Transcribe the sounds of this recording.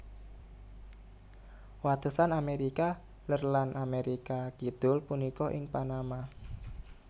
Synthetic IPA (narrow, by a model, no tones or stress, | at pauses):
wat̪usanameɾika | lərlanʔameɾikakid̪̥ʊ̤lpunikɔʔɪŋpanama